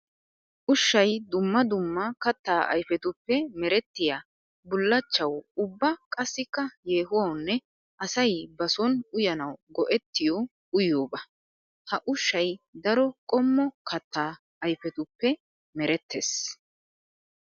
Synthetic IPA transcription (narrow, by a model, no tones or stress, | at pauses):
ʔʊʃːɐjd̪ʊmːɐd̪ʊmːɐkɐt̪ːaːʔɐ̰jfɛt̪ʊpːɛmɛɾɛt̪ːɪjaː | bʊlːɐt͡ʃːɐwʊbːɐkʼɐsːɪkːɐjeːɦʊwɐwnːɛ | ʔɐsɐjbɐsɔnʊjɐnɐwɡɔʔɛt̪ːɪjɔ | ʊjoːbɐ | hɐʔʊʃːɐjd̪ɐɾɔkʼɔmːɔkʰɐt̪ːaː | ɐjfɛt̪ʊpːɛ | mɛɾɛt̪ːeːs